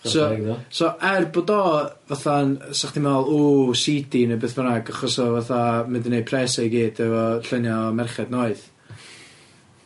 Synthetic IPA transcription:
sɔɔsɔʔɛrboːdɔvaθansaχtʰimalˠuːsidinebɨθvənaɡaχɔsɔvaθamɛdənːejpʰrɛsaiɡiːdɛvɔɬənjamɛrχɛdnoɨð

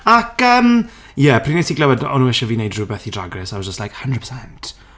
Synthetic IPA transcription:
akəːm | jɛpʰr̥iːnesiɡlɛwɛdɔ̰nuːɛʃaviːnejdrubɛθidraɡrɛsawɔzd͡ʒəstlajkhəndɹədpʰə̥sɛnt

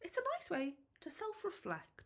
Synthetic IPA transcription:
ɨtsənaɪsweɪtʰɨsɛlˠfɹɪflɛ̰k̚t

